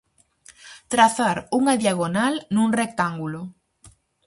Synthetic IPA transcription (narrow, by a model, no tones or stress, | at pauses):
t̪ɾaθaɾuŋaðjaɣ̞onalnũŋrek̚t̪aŋɡulo